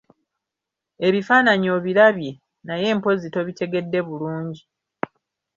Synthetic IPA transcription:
e̞βifaːnaɲo̞ːβilaβje | naje̞ːmpo̞zito̞βite̞ɡe̞dːe̞βuluːɲɟi

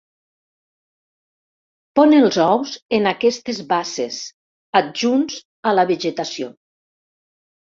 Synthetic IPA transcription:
pɔnelˠzɔwzenakɛst̪ezβases | aʒunz | alaβeʒet̪asio

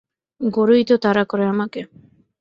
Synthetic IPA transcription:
ɡoɾuit̪ot̪aɾakoɾeamake

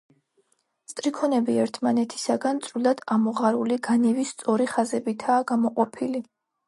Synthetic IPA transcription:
st̪ʼɾikʰɔnɛbiɛɾt̪ʰmanɛt̪ʰi̥saɡant̪sʼɾulˠad̪̥amɔʁaɾuliɡanɛvist̪sʼɔɾiχazɛbit̪ʰaːɡamɔqʼɔpʰili

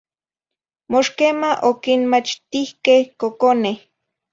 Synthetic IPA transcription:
moʃkemaʔokinmat͡ʃt̪ihkehkokoneh

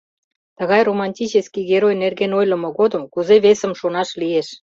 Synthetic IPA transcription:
t̪ə̆ɣɑjromɑnʲtʲit͡ɕeskiɣeɾojnerɣenojlə̆mɤ̆ɣod̪ə̆mkuzeβesə̆mʃonɑʃlieʃ

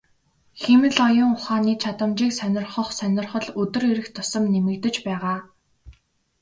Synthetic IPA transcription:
xemɘ̆ɮɔjʊ̆ŋʊχaːniːt͡ɕʰat̪ə̆mt͡ɕiːksœnʲɪ̆rχə̆χsœnʲɪ̆rχə̆ɮɵt̪ɵ̆reɾɘ̆xt̪ʰʊ̥sɞ̆mnemɘ̆kt̪ɘ̆t͡ɕpæːʁaː

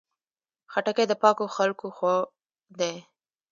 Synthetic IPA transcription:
xaʈaked̪əpɑkoxalkoxa | d̪e

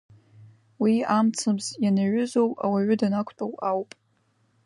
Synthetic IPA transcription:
wiamt͡sʰɨmzjanaɥʊzo̞wa̰waɥʊdanakʷʰtʼowawpʼ

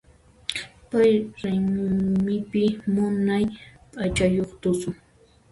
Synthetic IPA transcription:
pajɾajnʊŋmɪpɪmʊnajpʼat͡ʃajoχt̪ʊsʊ

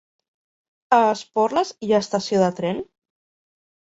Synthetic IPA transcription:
əːspɔɾləziəst̪əsioðət̪ɾɛn

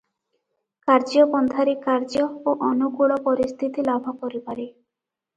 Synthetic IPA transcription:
kaɾd͡ʒɔpɔnd̪ʰʱaɾekaɾd͡ʒɔoʔɔnukuɭɔpɔɾist̪ʰit̪ilabʱɔkɔɾipaɾe

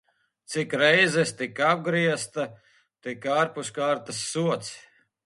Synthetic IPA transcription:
t̪sikɾɛjzɛst̪ikab̚ɡɾiɛst̪a | t̪ikaːɾpuskaːɾt̪ɐsːuɔt̪s

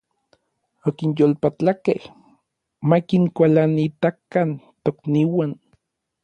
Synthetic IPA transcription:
okinjolpat͡ɬakeh | makiŋkʷalanit̪akant̪okniwan

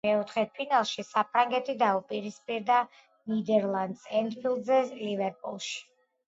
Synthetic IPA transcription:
mɛɔt̪ʰχɛpʰinalˠʃisapʰɾaŋɡɛt̪ʰid̪aupʼiɾispʼiɾd̪a | nid̪ɛɾlˠand̪sɛnd̪pʰilˠd̪zɛlivɛɾpʼṵlˠʃi̥

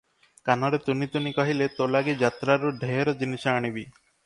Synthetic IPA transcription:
kanɔɾet̪unit̪unikɔɦilet̪olaɡid͡ʒat̪ɾaɾuɖʱeɦɾɔd͡ʒinisɔaɽ̃ibi

